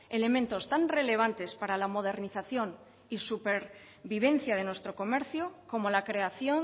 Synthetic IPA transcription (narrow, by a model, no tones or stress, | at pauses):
e̞le̞mẽnt̪o̞st̪anre̞le̞β̞ant̪e̞spaɾalamo̞ð̞e̞ɾniθaθjo̞n | isupeɾ | βiβ̞ẽ̞n̟θjaðe̞nwe̞st̪ɾo̞ko̞me̞ɾθjoko̞mo̞lakɾe̞aθjo̞ŋ